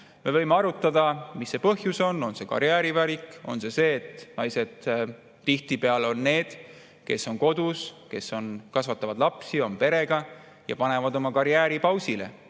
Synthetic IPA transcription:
me̞vɤjmeɑɾut̪ːˑɑd̪̥ɑmisːe̞pɤɦjuso̞nːo̞nse̞kɑ̰ɾjæːɾivæɾikˑo̞̰nse̞se̞ːt̪ːnɑjse̞d̪̥ | t̪iht̪ipe̞ɑlo̞nːe̞ːd̪̥ | ke̞sːo̞nko̞d̪̥uske̞sːo̞nkɑsvɑt̪ːˑɑvɑd̪lɑpsio̞mpe̞ɾe̞ɡ̥ɑ | jɑ̰pɑne̞vɑd̪o̞mɑkɑɾjæːɾipɑwsile̞̰

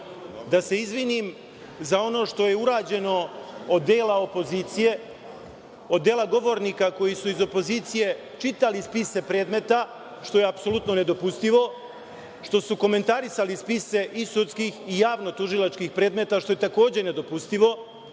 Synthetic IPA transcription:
d̪ase̞izʋinim | zao̞no̞ʃt̪o̞je̞uɾaːd͡ʑe̞no̞od̪ːeːlao̞po̞ziːt̪sije̞ | od̪ːeːlˠaɡo̞ʋo̞ɾnikako̞jisuizo̞po̞ziːt̪sije̞ | t͡ʃit̪alispise̞pɾeːd̪me̞t̪a | ʃt̪o̞jeapso̞lut̪no̞ne̞d̪o̞pust̪iʋo̞ | ʃt̪o̞suko̞me̞nt̪aɾisalispise̞ʔisut̪skiːxijaːʋno̞t̪uʒilat͡ʃkixpɾeːd̪me̞t̪aʃt̪o̞je̞t̪ako̞ːd͡ʑe̞ne̞d̪o̞pust̪iʋo̞

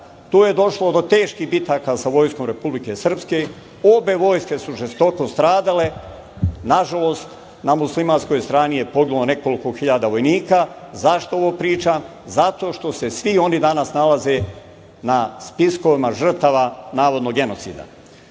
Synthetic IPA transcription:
t̪uːje̞d̪o̞ʃlo̞d̪o̞t̪e̞ːʃkibit̪akasaʋo̞jsko̞mɾe̞publike̞sr̩pske̞ | o̞be̞ʋo̞ːjske̞suʒest̪o̞ko̞st̪ɾaːd̪ale̞ | naʒalo̞ːst̪ | namuslimaːnsko̞jst̪ɾaːnije̞po̞ɡilone̞ko̞liko̞xiʎad̪aʋo̞jniːka | zaʃt̪ooʋoːpɾiːt͡ʃam | zat̪o̞ːʃt̪o̞se̞sʋio̞nid̪anasnalaze̞ | naspisko̞ʋimaʒr̩t̪aʋanaːʋo̞d̪noɡe̞no̞t̪sḭːd̪a̰

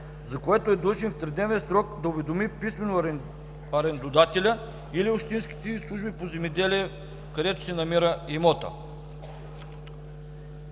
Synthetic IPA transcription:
zɐkoɛt̪oɛd̪lot͡ʃinft̪ɾɛd̪nɛvɛsɾɔk̚d̪ɐʊvɛd̪omipismɛno | ɐɾɛnd̪od̪at̪ɛlʲə | iliopʃt̪insk̟i̥t̪ɛslˠuʒbipozɛmɛd̪ɛliɛ | kɐd̪ɛt̪o̥sɛnɐmiɾəimɔt̪ə̰

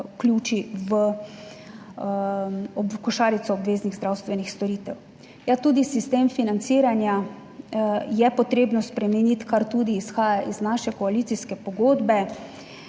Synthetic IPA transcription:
klʲjuːt͡ʃiʋə | ɔbkɔʃaːɾit̪sɔːbʋeːzniɣzd̪ɾawst̪ʋɛnixst̪ɔɾiːt̪ɛw | jat̪uːd̪isist̪eːmfinant̪siːɾanja | jɛpɔt̪ɾeːbnɔspɾɛmɛnit̪kaɾt̪uːd̪iːsxaːjaʔiznaʃɛkɔalit̪siskɛpɔɡoːd̪bɛ

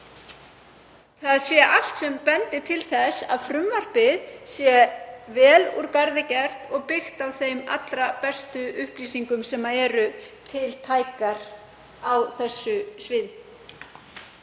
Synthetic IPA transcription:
θaðsjɛʔal̥t̪sɛmpɛnt̪ɪt̪ʰɪlθɛsa̰ðfɾʏmvar̥pɪðsjɛvɛːlṵɾkaɾðɪcɛɾ̥t̪ɔɣpɪxt̪awθejma̰t̪lɾapɛst̪ʏʏhpliːsiŋkʏmsɛmːaɛːɾʏt̪ʰɪlt̪ʰaːjkaɾ̥ | awθɛsːʏsvɪːð

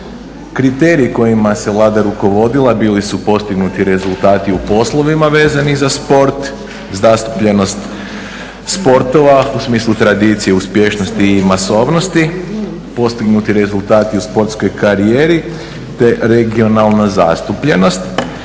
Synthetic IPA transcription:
kɾit̪e̞ːɾiːko̞jimase̞ʋlˠaːd̪aɾuko̞ʋo̞d̪ilˠabiːlisupo̞st̪iɡnut̪iɾe̞zulˠt̪aːt̪iupo̞slˠo̞ʋimaʋe̞ːzanizaspo̞ɾt̪ | zast̪u̥pʎe̞no̞st̪ | spo̞ɾt̪o̞ʋausmiːslˠut̪ɾad̪it̪sije̞uspje̞ʃnost̪iːmaso̞ːʋno̞st̪i | po̞st̪iɡnut̪iɾe̞zulˠt̪aːt̪iuspo̞ɾt̪sko̞jkaɾieːɾi | t̪e̞ɾe̞ɡio̞nalˠnaza̰st̪upʎe̞no̞st̪

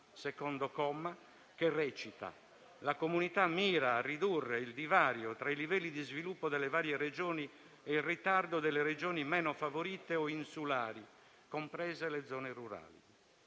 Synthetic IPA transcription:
sɛkɔnd̪ɔkɔmːa | k̟erːɛt͡ʃit̪a̰ | lakomunit̪amːiːɾaːrid̪urːeild̪ivaːɾjɔt̪ɾailivɛlːid̪izvilupːɔd̪ɛlːɛvaːɾjɛred͡ʒɔːni | ɛilrit̪ard̪ɔd̪ɛlːɛɾɛd͡ʒɔːnimɛːnɔfavoɾiːt̪eɔinsulaːɾi | kompɾɛːzɛlɛd̪zɔːnɛruɾa̰ːlḭ

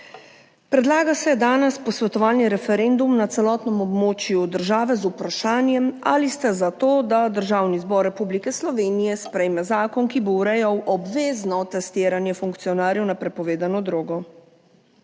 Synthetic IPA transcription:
pɾɛd̪laːɡasɛd̪aːnɛspɔsʋɛt̪ɔʋaːlniɾɛfɛɾend̪umnat̪sɛlɔːt̪nɛmɔbmoːt͡ʃjud̪əɾʒaːʋɛzupɾaʃaːnjɛma̰list̪ɛzat̪oːd̪ad̪əɾʒaːwnizbɔɾːɛpublikɛslɔʋeːnijɛspɾɛjmɛzaːkɔnkibowɾɛjawʔɔbʋeːznɔt̪ɛst̪iːɾanjɛfuŋkt̪siɔnaːɾjɛwnapɾɛpɔʋeːd̪anɔd̪ɾoːɡɔ

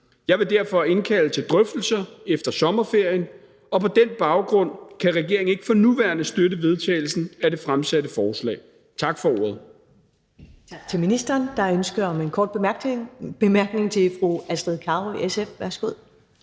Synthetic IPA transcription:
jɑ̈ɪʋe̝d̥æɐfɒ̽e̝nkʰælət͡sʰe̝ld̥ʁœfd̥l̩sɐefd̥ɐsɒ̽mɐfe̝ɐ̰jən | ɒ̽pʰɒ̽d̥enb̥ɑ̈ʊɡ̥ʁɔ̽n̰kʰæʁɛɡ̥e̝ɐeŋ̩e̝ɡ̥ə̥fɒ̽nuʋæɐnəsd̥ødəʋe̝ð̞ˠt͡sʰɛ̰ːɪl̩sn̩æd̥e̝fʁamsæɾəfɒːslɛ̰ː | t͡sʰɑ̈ɡ̥fɒ̽o̝ːɐ̰ð̩ˠ | t͡sʰɑɡ̥̚t͡sʰe̝minisd̥ɐːnd̥ɑ̈ønsɡ̥ɐɒmenkʰɒ̰ːd̥̚ | b̥e̝mæɐɡ̥ne̝ŋt͡sʰe̝fʁuæsd̥ɛð̰ˠkʰɑ̈ːiesefʋæɐsɡ̥oð̰ˠ

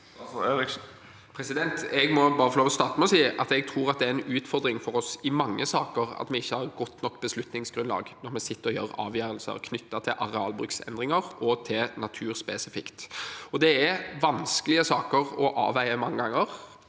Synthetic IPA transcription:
øːɾɪk | pʰɾɛsɪd̪ɛnt̪ɛɡmɔbɑːɾəfɔloːʋɔst̪ɑːʁt̪əmɛɔsiːʔɑt̪ɛɡ̚t̪ʰʁuːɾɑt̪̚d̪ɛæɾɛnʉːt̪fɔʁd̪ɾɪŋfɔɾɔsɪmɑŋːəsɑːkəʁɑ̰t̪mɛɪçːəhɑʁɡɔt̪ːnɔkːb̥əslʉt̪nɪŋsɡ̥ʁʉnlɑ̰ːɡnɔɾmɛsɪt̪ːəʁɔjø̰ːɾɑ̰ːʋjœːɾəlsə̰ʁkʰnʏt̪ːɑt̪ʰɪlʔɑʁɛɑːlbʁʉksɛ̰nd̪ʁɪŋəʁɔt̪ʰɪlnɑt̪ʰʉːɾspɛːsɪfɪkt̪ɔd̪ɛæɾʋɑnskəlɪəsɑːkəʁɔʔɑ̰ːʋæɪəmɑŋːəɡɑŋːəʁ

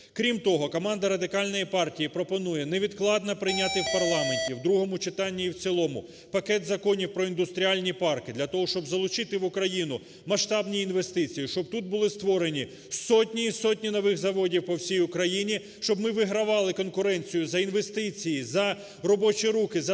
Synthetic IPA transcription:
kɾʲimt̪ɔɦɔkɔmɑnd̪ɐɾɐd̪ɪkɑlʲnɔjipɑrtʲijipɾɔpɔnujɛneʋʲid̪klˠɑd̪nɐpɾɪjnʲat̪ɪwpɐrlˠɑmenʲtʲiwd̪ɾuɦɔmʊt͡ʃɪt̪ɑnʲːiiwt͡sʲilˠɔmʊ | pɐkɛt̪zɐkɔnʲiwpɾɔind̪ʊst̪ɾʲialʲnʲipɑrkɪd̪lʲɐt̪ɔɦɔʃt͡ʃɔbzɐlˠʊt͡ʃɪt̪ɪʋʊkɾɐjinʊ | mɐʃt̪ɑbnʲiinʋe̞st̪ɪt͡sʲijiʃt͡ʃɔb̚t̪ut̪̚bʊlˠɪst̪ʋɔɾenʲi | sɔtʲnʲiːsɔtʲnʲinɔʋɪxzɐʋɔdʲiwpɔwsʲijʊkɾɐjinʲi | ʃt͡ʃɔbmɪʋɪɦɾɐʋɑlˠɪkɔnkʊɾɛnʲt͡sʲijʊzɐinʋe̞st̪ɪt͡sʲijizɐ | rɔbɔt͡ʃiɾukɪzɐ

